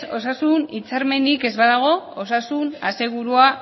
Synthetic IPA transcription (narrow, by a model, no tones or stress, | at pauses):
o̞sasunit͡saɾme̞nike̞zβaðaɣ̞o̞osasunase̞ɣ̞uɾua